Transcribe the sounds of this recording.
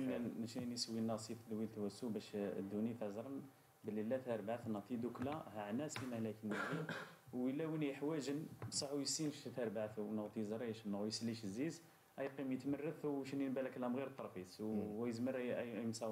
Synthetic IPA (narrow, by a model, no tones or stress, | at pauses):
nʃinisəwːinːɑsifd̪wilt̪wæsːubæʃd̪ːunit̪æzɾˤən | bəlːilːæt̪æɾˤbʕaθnət̪ˤid̪uklæhaʕnæsfimæhlækənːæd̪i | wəlːæwinjəħwæʒənbsˤɑħujəsinʃt̪æɾˤbʕaθnəɣt̪ˤizɾˤiʃnːɣujsəlːiʃzːiz | ʔæjqimjət̪mərˤːəθwʃnjənbælækælæmɣiɾt̪ˤːɑɾˤfiswæjəzməɾjmsɑw